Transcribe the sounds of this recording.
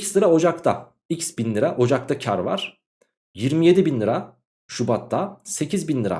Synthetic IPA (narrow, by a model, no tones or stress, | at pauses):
cslˠɯɾao̞d͡ʒakt̪ʰa̰ | icsbinlˠɯɾaʔo̞d͡ʒak̚t̪ʰacʰa̰ɾva̰ɾ̥ | jiɾmije̞d̪ibinlˠɯɾa | ʃubat̪ʰːase̞cʰizbinlɯɾa̰